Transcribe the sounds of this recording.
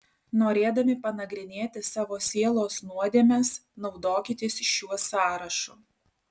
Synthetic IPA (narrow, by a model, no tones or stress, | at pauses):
noːɾʲeːd̪ɐmʲɪpɐnɐɡɾʲɪnʲeːt̪ʲɪsɑːʋoːsʲiɛlˠoːsnuɔd̪ʲeːmʲɛsnɒʊd̪oːkʲɪt̪ʲɪsʲʃʲuɔsɑːɾɐʃʊ